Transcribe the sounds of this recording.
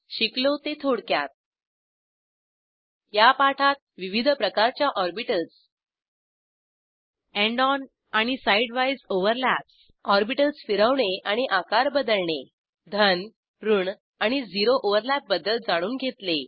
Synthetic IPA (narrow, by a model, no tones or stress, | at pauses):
ɕiklot̪et̪ʰoɽkja̰t̪̚ | japaʈʰat̪̚ʋiʋid̪ʱpɾəkaɾt͡ɕjaʔɔɾbiʈəls | ẽɳɖɔn | aɽ̃isaiɖʋaid͡zoʋəɾlaps | ɔɾbiʈəlsfiɾəʋɳeaɽ̃iʔakaɾbəd̪əlɳe | d̪ʱən | ɾuɳ | aɽ̃id͡ziɾoʔoʋəɾlap̚bəd̪əld͡zaɽ̃uːnɡʱet̪le